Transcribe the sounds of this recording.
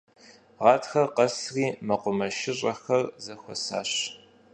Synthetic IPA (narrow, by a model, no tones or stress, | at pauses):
ʁɑːtxɐrqɐsriːmɐqʷʊmɐʃɪɕʼɐxɐrzɐxʷɔ̰sa̰ːɕ